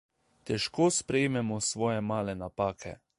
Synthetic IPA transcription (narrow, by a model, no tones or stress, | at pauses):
t̪ɛʃkoːspɾɛjemɛmɔsʋɔːjɛmaːlɛnapaːkʰɛ̰